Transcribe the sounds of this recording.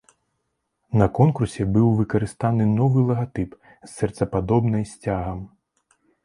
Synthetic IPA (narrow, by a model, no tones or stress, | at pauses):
nɐkɔnkursʲɛbɨwvɨkɐɾɨst̪anɨnɔvɨlˠɐɣat̪ɨp | sːʲɛrt̪sɐpad̪ɔbnɐjsʲt͡sʲaɣɐm